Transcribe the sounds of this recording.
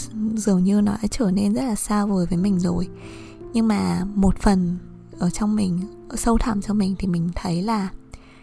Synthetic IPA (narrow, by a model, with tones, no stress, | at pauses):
zɨ˨˩əŋɲɨ˧nɔ˨˦a˧˦t͡ɕəː˧˩ne˧nzə˦˥t̚laː˨˩saː˧wvə˨˩jvəː˨˦jmï˨˩ŋ̟zo˨˩j | ɲɨ˧ŋmaː˨˩mo˨˩t̚fə˨˩n | ʔəː˧˩t͡ɕɔ˧wŋ͡mmï˨˩ŋ̟˧˩ | sə˧wt̪ʰa̰ː˧˩mt͡ɕɔ˧wŋ͡mmï˨˩ŋ̟t̪ʰi˨˩mï˨˩ŋ̟t̪ʰə˨˦jlaː˨˩